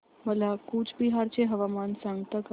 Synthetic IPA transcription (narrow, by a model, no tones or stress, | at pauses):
məlakuːt͡ʃʰbiɦaɾt͡ɕeɦəʋamansãŋɡt̪ak